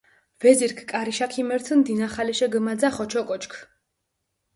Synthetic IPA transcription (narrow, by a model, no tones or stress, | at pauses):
vɛziɾkʰkʼaɾiʃakʰimɛɾt̪ʰnd̪inaχalɛʃɛɡəmad̪zaχɔt͡ʃʰɔkʼɔt͡ʃʰkʰ